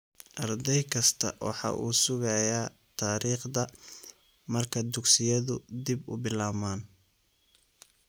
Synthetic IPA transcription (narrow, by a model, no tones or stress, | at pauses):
ʔɐrd̪ɛjkʰɐst̪ʰɐ̰wɑ̰ħɑ̰ːʔuːsʊɣɐjaː | t̪ʰaːɾiːχd̪ɐ | mɐrkʰɐd̪ʊɡsɪjɐðʊd̪ibʊ̰bɪlaːmaːn